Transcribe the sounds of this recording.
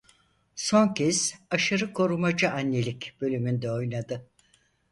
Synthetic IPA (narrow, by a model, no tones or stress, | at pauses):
so̞ŋcʰɛz̥aʃaɾɯkʰo̞ɾumad͡ʒaanːelʲicb̥ø̞lʲymynd̪ɛo̞jnad̪ɯ